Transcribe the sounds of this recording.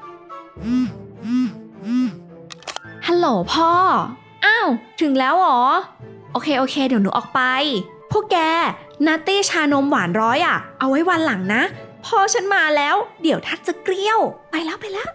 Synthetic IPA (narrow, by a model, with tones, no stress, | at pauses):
ʔɯː˧˩mʔɯː˧˩mʔɯː˧˩m | ha˧loː˨˩˦pʰɔː˧˩ | ʔaː˧˩wt̪ʰɯ˨˩˦ŋlɛː˦˥wʔɔː˩˦ | ʔoː˧kʰeː˧ʔoː˧kʰeː˧di˨˦wnuː˩˦ʔɔː˨˩k̚pa˧j | pʰɔː˥˩kɛː˧ | naː˦˥t̪iː˥˩t͡ɕʰaː˧no˧˥mwaː˩˦nɾɔː˦˥jʔa˨˩ʔa˧wːa˦˥jwa˧nla˩˦ŋna˦˥ʔpʰɔː˧˥˩t͡ɕʰa˦˥nmaː˧lɛː˦˥wdi˩˦əwt̪ʰa˦˥˩n̚t͡ɕa˨˩kɾi˥˩əwpa˧jlɛː˦˥˩wpa˧jlɛː˦˥˩w